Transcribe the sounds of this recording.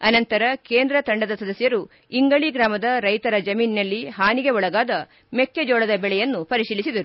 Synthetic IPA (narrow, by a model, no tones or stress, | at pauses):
ɐnɐnt̪ɐɾɐke̞ːnd̪ɾɐt̪ɐɳɖɐd̪ɐsɐd̪ɐsjɐɾu | iŋɡɐɭiɡɾaːmɐd̪ɐɾɐjt̪ɐɾɐd͡ʒɐmiːnnɐlːiɦaːniɡeɔɭɐɡaːd̪ɐ | mekːed͡ʒɔːɽɐd̪ɐbɛɭɛjɐnːupɐɾiʂiːlisid̪ɐɾu